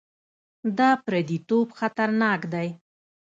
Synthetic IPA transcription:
d̪ɑpɾad̪it̪obxat̪aɾnɑkd̪aj

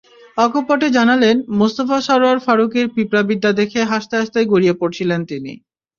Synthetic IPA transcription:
ɔkʰopɔʈed͡ʑanalenmost̪ofaʃɔɾwaɾfaɾukiɾpipɾabid̪ːad̪ekʰeɦaʃt̪aaʃt̪ajɡoɾiepoɾt͡ɕʰilent̪inḭ

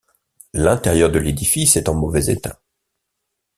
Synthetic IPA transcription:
lɛ̃t̪ɛʁjœʁd̪əled̪ifisɛt̪ɑ̃mɔvɛzḛt̪a̰

